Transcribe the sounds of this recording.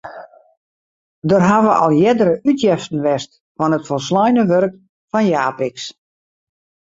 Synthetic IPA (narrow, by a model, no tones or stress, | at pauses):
dərɦaʋəʔɔ̰lˠjɛdəɾəʔytjɛftən̩ʋɛst | fɔnɦətfɔlˠs̬lɔjnəʋørk | fɔnjaːpɪks